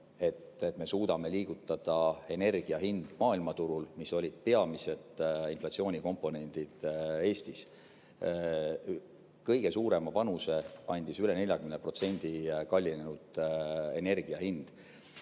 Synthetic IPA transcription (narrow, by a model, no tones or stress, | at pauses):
e̞t̪ːet̪ːˑme̞suːd̪ɑme̞liːɡ̥ut̪ˑːɑd̪̥ɑe̞ne̞rɡ̥iɑɦind̪̥mɑːilmɑt̪uɾulmiso̞lʲid̪̥̚peɑmise̞d̪̥inflɑt̪sioːnʲiko̞mpːˑo̞ne̞nʲd̪̥id̪̥e̞ːst̪is | kɤjɡ̥e̞suːɾe̞mɑpɑnuse̞ɑnʲd̪̥isyle̞ne̞lʲjɑɡ̥ymnepro̞t̪se̞nʲd̪̥ikɑlʲːinenud̪̥e̞ne̞rɡ̥iɑhind̪̥